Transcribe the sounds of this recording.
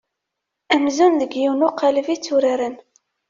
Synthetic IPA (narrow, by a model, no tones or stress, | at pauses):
æmzunðəɡjiwnʊqʰaləvit͡sːuɾaɾən